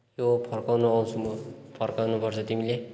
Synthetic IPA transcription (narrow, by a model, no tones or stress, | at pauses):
jopʰʌrkawnoaw̃t͡sʰumpʰʌrkawnupʌrt͡sʰʌt̪imile